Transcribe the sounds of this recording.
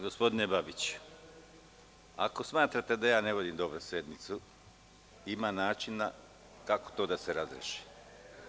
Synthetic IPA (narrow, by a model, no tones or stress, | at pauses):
ɡo̞spo̞d̪ine̞babit͡ɕu̥ | a̰ko̞smaːt̪ɾat̪e̞d̪ajaːne̞ʋo̞d̪imd̪o̞bɾusje̞d̪nit̪su | imanaːt͡ʃina | kako̥t̪o̞ːd̪aseɾazɾḛʃi̥